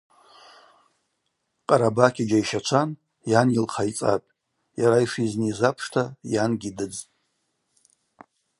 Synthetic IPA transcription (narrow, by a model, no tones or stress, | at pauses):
qʼaɾabakʲʰid͡ʒaiʃat͡ʃʷʰan | janilχʰait͡sʼa̰pʲʼ | jaɾaiʂiznizapʰʂtʰajanɡʲidɨd͡zʼ